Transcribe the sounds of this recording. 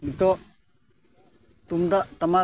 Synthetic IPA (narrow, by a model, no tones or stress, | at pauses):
mit̪ɔ | t̪umd̪at̪ɐma